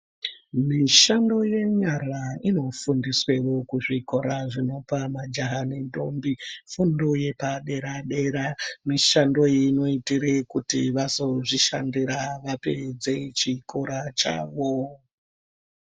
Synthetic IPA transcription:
miʃando̞je̞ɲaraino̞fundiswe̞ʋo̞kuʐiko̞ɾaʐino̞pamad͡ʒaɦanendo̞̰ːmbifundoje̞paɗe̞ɾaɗe̞ɾamiʃando̞jino̞itiɾekutḭʋazo̞ʐiʃa̰ndiɾaʋaped͡ze̞t͡ʃikʰoɾat͡ʃa̰ːʋo

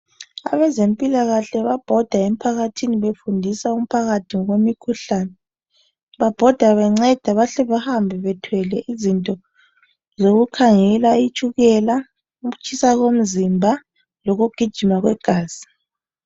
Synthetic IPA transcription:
a̰βɛzempʼilaɣaɬɛβab̥ʱɔd̥ʱaɛm̩pʰaɣatʰiniβefundʱisaum̩pʰaɣatʰiŋɔɣomikʰuɬaːnɛ | βab̥ʱɔd̥ʱaβaŋ͡ǀɛd̥ʱaβaɬɛβahambʱɛβɛtʰwɛlɛʔizintʼɔ | zoɣukʰaŋɛlait͡ʃʼuɣɛla | uɣut͡ʃʰʼisaɣom̩zimbʱa | loɣuɡ̥ʱid̥ʒ̥ʱimaɣwɛɡ̥ʱaːz̥i

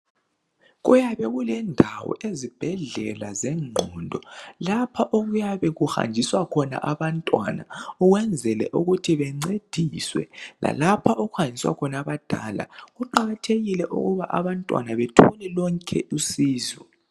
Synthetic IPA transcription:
ɣujaβɛɣulɛndʱawɔ̰ezib̥ʱɛɮɛ̰lazɛŋ͡ǃʱɔndʱɔlapʰaʔoɣujaβɛɣuxa̰nd͡ʒʱiswakʰɔna̰ʔaβantʼwa̰na̰uɣwɛnd͡zʱɛlɛ̰ʔuɣutʰiβɛŋ͡ǀed̥ʱiswɛ̰lʔa̰lapʰaʔoɣuxanʱiswa̰kʰɔnaβad̥ʱa̰ːla̰ɣuǃaɣatʰeɣilɛʔṵɣuβaʔaβantʼwa̰naβetʰunɛlɔŋkʰɛ̰ʔusiːzɔ

